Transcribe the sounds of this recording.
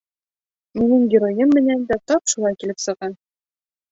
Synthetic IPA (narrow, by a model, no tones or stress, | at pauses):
minɘŋɡʲɪɾojɤmːɘ̆nænd̪æt̪ɒpʃulˠɑjkilɘpsɤ̆ʁɑn